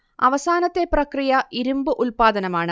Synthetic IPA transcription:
ɐ̰ʋɐsaːnɐt̪ːe̞prɐkrijɐiɾumbɨʔulpaːd̪ɐnɐmaːɳɨ

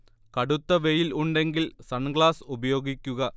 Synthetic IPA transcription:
kɐɽut̪ːɐʋe̞jiluɳɖe̞ŋɡilsɐnɡɭaːsubɐjo̞ːɡikʲːuɣɐ

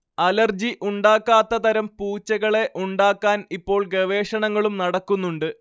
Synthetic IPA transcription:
ɐlɐrd͡ʑiʔuɳɖaːkːaːt̪ːɐt̪ɐɾɐmpuːt͡ɕːɐɣɐɭe̞ʔuɳɖaːkːaːnipːo̞ːɭɡɐʋe̞ːʂɐɳɐŋːɐɭumnɐɽɐkːunːuɳɖɨ

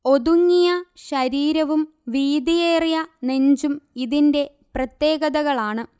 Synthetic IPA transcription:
o̞ðuŋːijɐɕɐɾiːɾɐʋum | ʋiːd̪ijeːrijɐne̞ɲd͡ʑumiðinde̞ | prɐt̪je̞ːɣɐðɐɣɐɭaːɳɨ

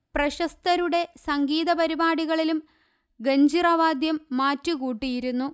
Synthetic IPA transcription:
prɐɕɐst̪ɐɾuɽe̞sɐŋɡiːðɐpɐɾibaːɽiɣɐɭilum | ɡeɲd͡ʑirɐʋaːd̪jɐmːaːtːɨkuːʈːijiɾunːu

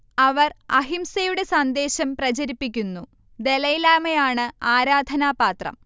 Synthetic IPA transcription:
ɐʋɐrɐ̰ɦimsɐjuɽe̞sɐnd̪e̞ːɕɐmprɐt͡ɕɐɾipːik̬ʲːunːu | d̪e̞lɐjlaːmɐjaːɳɨaːɾaːd̪ʱɐnaːpaːt̪rɐ̰m

